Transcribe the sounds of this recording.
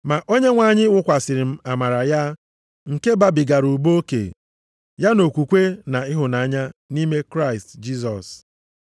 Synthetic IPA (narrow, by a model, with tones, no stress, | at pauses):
ma˨ʔo˦ɲe˦ŋʷa˨ɲɪ˦wʊ˦kʷa˨sɪ˨ɾɪ˨m̩˦a˨ma˨ɾa˨ja˦ | ŋ̩˨ke˦ba˨bi˨ɡa˨ɾu˨bo˦o˦kḛ˨ | ja˦no˨kʷu˨kʷe˦na˨ɪ˦ɦʊ˨na˨a˦˨ɲa˦ni˦me˦kɾa˦ɪ˨std͡ʒi˦s̬ɔ˨s